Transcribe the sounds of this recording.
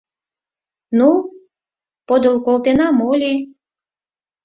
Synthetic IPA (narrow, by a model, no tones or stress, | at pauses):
nu | pod̪əlkolt̪enɑmolʲi